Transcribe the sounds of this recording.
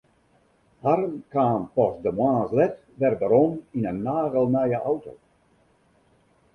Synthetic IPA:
harənkaːnpɔsdəmwãːnslɛt | ʋɛrdəɾɔminənːaːɣəlˠnajəʔawto

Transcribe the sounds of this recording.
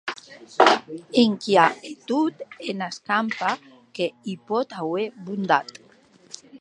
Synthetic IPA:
iŋkjaet̪ut̪enaskampa | keipɔt̪aweβund̪at̪

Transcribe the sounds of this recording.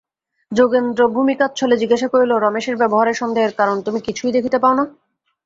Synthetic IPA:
d͡ʑoɡend̪ɾobʱumikat̪ːt͡ɕʰoled͡ʑiɡaʃakoɾiloɾɔmeʃeɾbɛboɦaɾeɾʃɔnd̪ʱaeɾkaɾont̪umikit͡ɕʰujd̪ekʰit̪epaona

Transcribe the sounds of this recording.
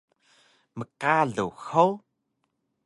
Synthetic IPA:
məqaɮuwxow

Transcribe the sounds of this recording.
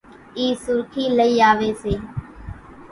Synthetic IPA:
iːsʊɾkʰiːləiːaːʋeːseː

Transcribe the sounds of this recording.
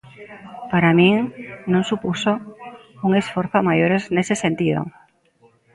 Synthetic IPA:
paɾamĩŋnõŋsupusouŋesfoɾθoamaʝoɾeznesesẽnt̪ið̞o̰

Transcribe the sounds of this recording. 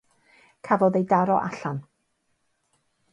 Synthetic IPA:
kʰavɔðejdaɾɔʔaɬan

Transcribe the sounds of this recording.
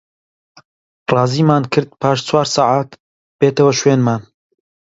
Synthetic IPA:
rɑːziːmaːnkʰɨɾd̪̚pʰaːʃt͡sʰwaːɾsɑːʕaːt̪ | b̥eːt̪ɐwɐʃweːnmaːn

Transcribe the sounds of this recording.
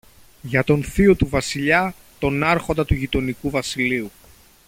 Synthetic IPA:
ʝɐt̪o̞nθiot̪uvɐsiʎɐ | t̪o̞nɐɾxo̞nd̪ɐt̪uʝit̪o̞nikuvɐsiliu

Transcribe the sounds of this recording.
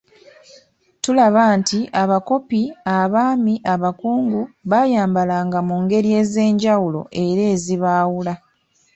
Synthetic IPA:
tulaβaːntiʔaβako̞piaβaːmiʔaβakuːŋɡuβaːjaːmbalaːŋɡamuːŋɡe̞ɾie̞ːze̞ːɲɟawulo̞̰ʔe̞ɾe̞ːziβaːwula

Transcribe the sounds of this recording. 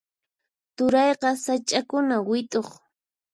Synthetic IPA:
t̪ʊɾɑjqɑsat͡ʃʼakʊnawɪt̪ʼoχ

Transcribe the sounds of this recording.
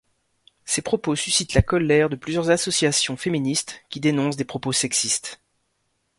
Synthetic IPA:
sepχɔposysit̪lakɔlɛʁd̪əplyzjœʁzasɔsjasjɔ̃feminist̪kʲid̪enɔ̃sd̪epχɔposɛksist̪

